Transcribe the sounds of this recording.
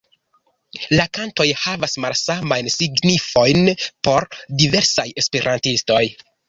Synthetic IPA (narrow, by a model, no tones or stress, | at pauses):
lakanto̞jhavasmalsamajnsiɡnifo̞jnpo̞ɾdive̞ɾsaje̞speɾʔantisto̞j